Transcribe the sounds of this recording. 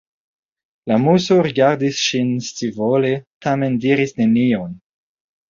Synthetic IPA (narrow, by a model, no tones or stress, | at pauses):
lamusoɾiɡaɾdisʃinst͡sivoletʰame̞ndiɾisne̞nion